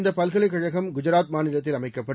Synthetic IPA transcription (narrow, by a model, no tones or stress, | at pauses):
nd̪ɐpɐlɣɐɭɐɪkːɐɻɐɣɐmɡʊd͡ʒɐɾaːt̪̚maːnɪlɐt̪̬ːɪlɐmɐɪkːɐpːɐ